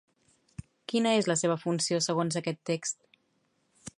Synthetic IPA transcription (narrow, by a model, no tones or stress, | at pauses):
kinəezləseβ̞əfunsiosəɣ̞onzəkɛt̪ːekst̪̚